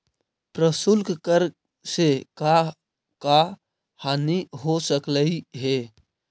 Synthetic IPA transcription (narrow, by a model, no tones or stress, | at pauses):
pɾəsʊlkkəɾ | seka | ka | haniɦosəkləiɦe